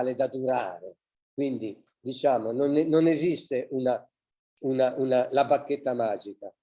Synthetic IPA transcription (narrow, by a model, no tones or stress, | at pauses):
led̪ad̪uɾa̰ːɾe | kwind̪i | d̪it͡ʃaːmononenonɛzist̪eʔuna | unaʔunalabakːet̪ːamaːd͡ʒika